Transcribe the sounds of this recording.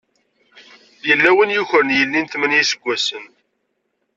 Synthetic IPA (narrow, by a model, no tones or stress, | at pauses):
jəlːæwənjuçɾənjəlːint̪mənjisə̥ɡʷːæsən